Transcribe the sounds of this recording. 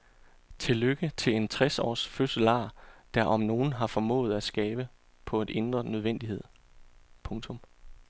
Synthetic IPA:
t͡sʰe̝løɡ̥ət͡sʰe̝le̝nt͡sʰʁasɒ̰ːsføsəlɑ̰̈ːd̥æɐʔɒ̽mno̝ːn̩ɦɑ̈fɒmɔ̰̽ːð̞̩ˠæsɡ̥ɛːb̥ə | pʰɒ̽e̝d̥e̝nd̥ʁɐnøð̞ˠʋen̰d̥ihe̝ð̰ˠ | pʰɔ̽ŋt͡sʰɔ̽m

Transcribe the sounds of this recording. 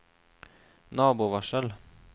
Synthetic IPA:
nɑːbʊʋɑʃəl

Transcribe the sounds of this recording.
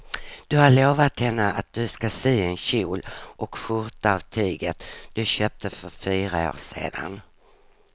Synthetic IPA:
d̪̥ɵhaɭoːvat̪hɛnːəʔat̪̚d̪̥ɵskasyːɛnɕuːlʔɔkɧʊɾt̪aːvt̪ʰyːɡət̪d̪̥ɵɕøːp̚t̪ʰəfœɾfyːɾao̰ːsḛːd̪a̰n

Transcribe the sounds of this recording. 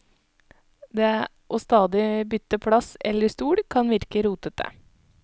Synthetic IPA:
d̪eː | ʔoːst̪ɑːd̪ɪbʏt̪ːəpʰɽɑsɛ̰lːəst̪uːɽkʰɑnʋɪɾkəɾuːt̪ət̪ʰə̰

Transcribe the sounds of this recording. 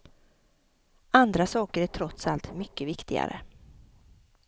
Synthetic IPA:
and̪ɾasɑːkəɾæʈʰɾɔt̪salt̪mʏkːəvɪkt̪ɪɡa̰ɾə̰

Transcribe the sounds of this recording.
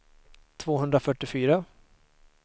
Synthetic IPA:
t̪ʰvoːɦɵnd̪ɾafœʈːɪfyːɾa

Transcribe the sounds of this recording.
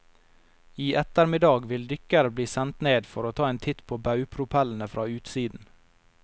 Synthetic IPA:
iːʔɛt̪əɾmɪd̪ɑːɡʋɪld̪ʏkəɾəbliːsɛnt̪neːd̪fɔɾoːt̪ʰɑːeːnt̪ʰɪt̪pʰoːbɑʉpʰɾʊpʰɛln̩əfɾʔɑːʉːt̪siːd̪n̩

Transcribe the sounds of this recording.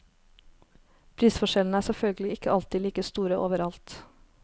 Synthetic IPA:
pʰɾiːsfɔʃɛln̩æːsɛfœlɡəlɪɪkəʔɑlt̪ɪliːkəst̪uːɾəʔoːʋəɾɑlt̪

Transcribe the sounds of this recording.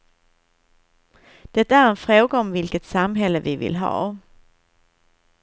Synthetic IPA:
d̪̥ɛt̪ːaæɾɛnfɾoːɡaɔmvɪlkət̪samɦɛlːəvɪvɪ̰lɦɑ̰ː

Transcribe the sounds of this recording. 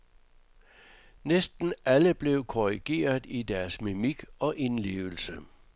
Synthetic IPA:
nesd̥n̩æləb̥le̝ʊkʰoʁiɡ̥e̝̰ːɐðˠidæɐsmimiɡ̥ɒ̽ʔe̝nle̝̰ːʊl̩sə

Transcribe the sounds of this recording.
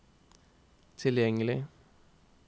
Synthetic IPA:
t̪ʰɪljɛŋəlɪ

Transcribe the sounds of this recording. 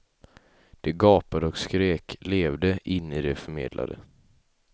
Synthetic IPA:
d̪̥ɛɡɑːpad̪əɔkskɾeːkleːvd̪əʔɪnːid̪ɛfœɾmḛːd̪lʔa̰d̪ə̰

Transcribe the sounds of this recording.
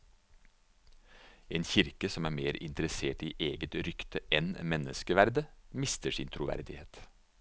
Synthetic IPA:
eːnçɪɾkəsɔmæːɾmeːɾɪ̰nt̪əɾəseːʈiːʔeːɡət̪ɾʏkt̪əʔɛnmɛnə̰skəʋæɾd̪əmɪst̪əʂḭːnt̪ʰɾʊʋæ̰ɾd̪ɪheːt̪

